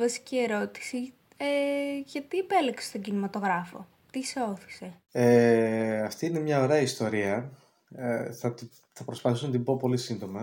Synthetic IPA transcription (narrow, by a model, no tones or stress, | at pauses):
vɐsi̥cie̞ɾo̞t̪i̥si | eʝɐt̪iepe̞lekse̥st̪o̞ɟinimɐt̪o̞ɣɾɐfo̞̰ | t̪ise̞o̞θi̥se̞ | e | ɐft̪iine̞mɲɐo̞ɾe̞ɐist̪o̞ɾiɐ | θɐt̪ | θɐpɾo̞spɐθisunɐt̪ibo̞po̞lisind̪o̞mɐ